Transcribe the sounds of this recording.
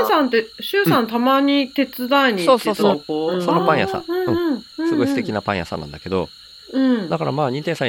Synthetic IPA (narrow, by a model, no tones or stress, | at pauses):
sãnt̪̬eɕɨːsãnt̪amaɲ̟it̪e̞t͡sɨd̪aiɲ̟isoːsoːsokosonopãɰ̃jasã̰ɯ̃ɯ̟̃ɯ̃ɴɯ̟̃sɨɡɡoist̪e̞kʲinapã̰ɰ̃jasã̰nã̰nd̪ake̞d̪o̞ | ɯ̟̃ɴd̪akaɾa̰maːɲ̟ĩnt̪ẽ̞sa